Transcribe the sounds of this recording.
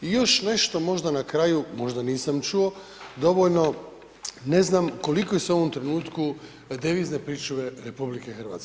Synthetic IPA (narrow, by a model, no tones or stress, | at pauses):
ijo̞ʃne̞ʃt̪o̞mo̞ʒd̪anakɾaːjumo̞ʒd̪aniːsamt͡ʃuo̞ | d̪o̞ʋoʎno̞ | ne̞znamko̞likojeseo̞ʋomt̪ɾenuːt̪ku | d̪iʋiːzne̞pɾiːt͡ʃuʋeɾepublikexr̩ʋa̰ːt̪se